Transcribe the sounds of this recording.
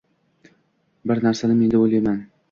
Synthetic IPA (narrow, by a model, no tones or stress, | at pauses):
bɪɾnaɾsanɪme̞nd̪aojlajman